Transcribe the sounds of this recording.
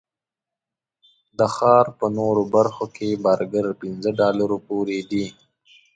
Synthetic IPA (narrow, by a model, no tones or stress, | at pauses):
d̪əxɑːɾpənoɾobɐɾxokʰebaɾɡəɾpinzəɖɑːlaɾopoːɾed̪i